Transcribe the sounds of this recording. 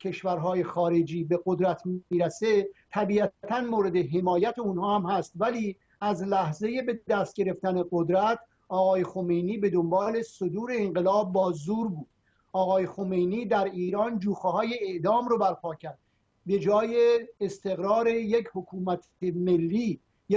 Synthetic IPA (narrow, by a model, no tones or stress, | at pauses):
cʰe̞ʃvæɾɦɒːje̞xɒːɾe̞d͡ʒiːbe̞ɣod̪ɾæt̪ʰiːɾæset̪ʰæbiːʔæt̪ʰænmoːɾe̞d̪e̞ɦe̞mɒːjæt̪ʰeunhɒːhæmhæst̪væliː | æzlæhze̞je̞be̞d̪æst̪̚ɟe̞ɾe̞ft̪æne̞ɡod̪ɾæt̪ʰ | ʔɒːɣɒːjexo̞me̞jniːbe̞d̪o̞mbɒːle̞sod̪uːɾe̞ːŋɢe̞lɒːb̚ːɒːzuːɾbuːd̪̥ | ɒːɣɒːjexomejniːd̪æɾiːɾɒːnd͡ʒuːxehɒːje̞eʔd̪ɒːmɾobæɾpʰɒːcʰæɾd̪̥̚ | be̞d͡ʒɒːjeːst̪e̞ɣɾɒːɾe̞jechokʰuːmæt̪ʰ | eme̞lːiː | je